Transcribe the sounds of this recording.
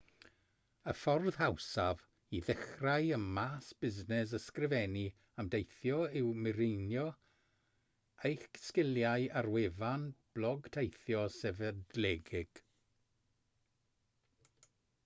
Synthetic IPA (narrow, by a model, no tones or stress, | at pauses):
əfɔrð̥hawsav | iðɛχraɨənmaːsb̥ɪznɛs̬əskrɪvɛni | amdejθjɔɪwmɪɾɪnjɔ | ejxskɪljaɨarwevanb̥lˠɔɡtʰejθjɔsɛvɛdlɛɡɪɡ̥